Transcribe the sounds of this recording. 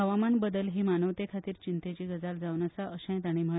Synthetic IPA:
ɦəʋamanbəd̪əlɦiːmanəʋt̪ekʰat̪iːɾt͡ɕint̪et͡ɕiːɡəd͡zald͡zaʋnəsaəɕə̃j̃t̪aɽ̃im̤ə

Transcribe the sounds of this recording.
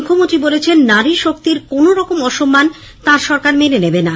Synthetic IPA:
kʰːomont̪ɾibolet͡ɕʰenːaɾiʃok̚t̪iɾkonoɾɔkomɔʃomːan | t̪ãɾʃɔɾkaɾmenenebena

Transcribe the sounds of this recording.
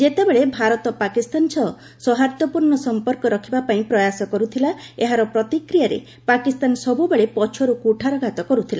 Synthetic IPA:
d͡ʒet̪ebeɭebʱaɾɔt̪ɔpakist̪ansʰɔ | sɔɦaɾt̪ɔpuɾɳɔsɔmpɔɾkɔɾɔkʰibapaĩpɾɔjasɔkɔɾut̪ʰilaeɦaɾɔpɾɔt̪ikɾijaɾḛ | pakist̪ansɔbubeɭepɔt͡ʃʰɔɾukuʈʰaɾɔɡʱat̪ɔkɔɾut̪ʰila̰

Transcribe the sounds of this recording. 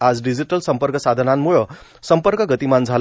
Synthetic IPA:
ad͡zɖid͡ziʈəlsəmpəɾkəsad̪ʱənanmuɭə | səmpəɾkəɡət̪imand͡zʱal

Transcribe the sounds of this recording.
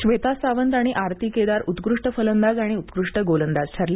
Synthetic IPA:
ɕʋet̪asaʋənt̪aɽ̃iʔaɾt̪iked̪aɾut̪ɡɾuʂʈəfələnd̪ad͡zaɽ̃iut̪ɡɾuʂʈəɡolənd̪ad͡zt͡ɕʰaɾle

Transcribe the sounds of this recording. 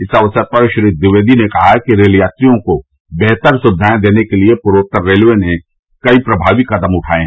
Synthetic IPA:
ɪsɐʋsəɾpɐɾʃɾid̪ɪʋeːd̪inekɐɦakiɾeːljaːt̪ɾijõko | bɛɦt̪əɾsʊbɪd̪ʱaːj̃d̪eːnekeliepʊɾʋoːk̚t̪əɾːeːlʋene | kɐipɾɐbʱaːʋikɐd̪əmʊʈʰaːeɦɛ

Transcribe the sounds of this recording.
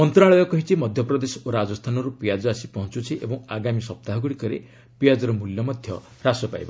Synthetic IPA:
ɔnt̪ɾaɭɔjɔkɔɦit͡ʃʰimɔd̪ʱjɔpɾɔd̪esɔoɾad͡ʒɔst̪ʰanɔɾupijad͡ʒɔasipɔɦɔnt͡ʃut͡ʃʰiʔḛbɔŋ̃aɡamisɔp̚t̪aɦɔɡuɽikɔɾḛ | pijad͡ʒɔɾɔmuljɔmɔd̪ʱjɔ | ɾasɔpa̰jbɔ̰

